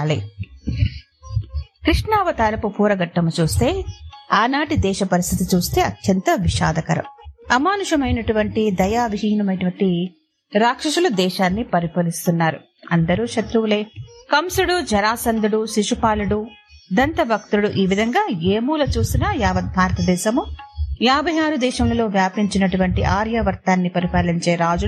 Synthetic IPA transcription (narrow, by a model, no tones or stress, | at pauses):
aːlḭ | kɾiʂɳaːʋɐt̪aːlɐpupʰuːɾɐɡɐʈːɐmut͡ʃuːst̪e̞ːaːnaːʈid̪ɛːʃɐpɐɾist̪ʰit̪it͡ʃuːst̪e̞ːɐt̪jɐnt̪ɐʋiʃa̰ːd̪ɐkɐɾɐ̰mɐmaːnuʂɐmɐjnɐʈuʋɐɳʈid̪ɐjaːʋiʃɐjɐnɐmɐjʈɐʋɐɳʈi | ɾaːkʂɐʂulud̪ɛːʃaːnːipɐɾipɐlist̪unːaːɾṵ | ɐnd̪ɐɾuʃɐt̪ɾuʋle̞ːkɐmsuɽud͡ʒɐɾaːsɐnd̪uɽuʃiʂupaːluɽu | d̪ɐnt̪ɐbʱɐkt̪uɽuʔiːʋid̪ʱɐŋɡaːeːmuːlɐt͡ʃuːst̪inaːjaːʋɐt̪̚bʱaːɾɐt̪ɐd̪ɛːʃɐmujaːbʱɐjaːɾud̪ɛːʃɐmlɐlo̞ːʋjaːpiɲt͡ʃinɐʈuʋɐɳʈiʔaːɾjɐʋɐɾt̪aːnːipɐɾipaːliɲt͡ʃe̞ːɾaːd͡ʒu